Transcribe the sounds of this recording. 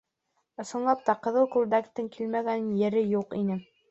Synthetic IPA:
ŏsɤ̆nlˠɑp̚t̪ɑqɤ̆ðɤlˠkulˠd̪ækt̪ːɘŋkʰilmæɡænɘnjɘ̆ɾɘjuqinɘ

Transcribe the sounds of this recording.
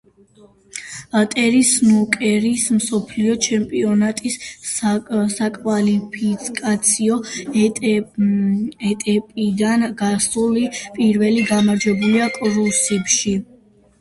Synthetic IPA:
t̪ʼɛɾisnukʼɛɾismsɔpʰliɔt͡ʃʰɛmpʼiɔnat̪ʼis | sakʼvalipʰikʼat̪sʰiɔ | ɛt̪ʼɛpʼid̪anɡasulipʼiɾvɛliɡamaɾd͡ʒwɛbuliakʼɾusipʃi

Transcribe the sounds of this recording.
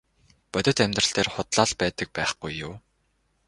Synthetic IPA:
pœt̪ʲɪ̆t̪æmʲt̪rə̆ɬt̪eːrχʊt̪ɮaːɮpæːt̪ə̆k̚pæːχɡ̥ujːʊː

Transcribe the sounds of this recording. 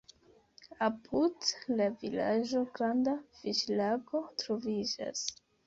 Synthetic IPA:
apʰudlavila̰d͡ʒo̞ɡɾandafiʃlaɡo̞tɾovid͡ʒa̰s

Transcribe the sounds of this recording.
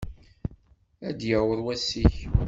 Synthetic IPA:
æd̪jæwəðˤwæsːiç

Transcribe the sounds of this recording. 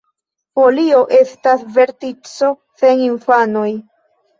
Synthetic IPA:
po̞lio̞ʔe̞stasve̞ɾtit͡so̞ | se̞niɱfano̞j

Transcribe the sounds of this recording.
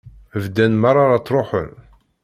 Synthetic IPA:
əvd̪ænmaɾˤɑɾˤɑt͡sːˤɾˤoħə̰n

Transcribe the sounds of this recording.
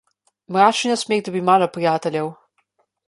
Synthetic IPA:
mɾaːt͡ʃnɔsmeːɣd̪ɔbimaːlɔpɾijaːt̪ɛljɛw

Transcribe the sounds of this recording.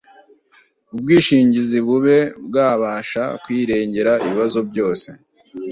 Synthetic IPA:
ub̚ɡiːʃiːɲɟiziβuβe̞bɡaːβaʃa̰kwiːɾe̞ːɲɟe̞ɾaiβiβazo̞bɟo̞ːse̞

